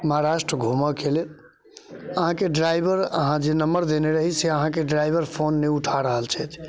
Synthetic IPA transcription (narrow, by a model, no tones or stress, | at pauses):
məɦaɾaʃʈɾəɡʱuməkʰele | əɦãkeɖɾajbʱəɾə̰ɦãd͡ʒenəməɾd̪eneɾəɦiseəɦãkeɖɾajbʱəɾpʰonːeuʈʰaɾəɦəlt͡ʃʰɛt͡ʃ̪ʰ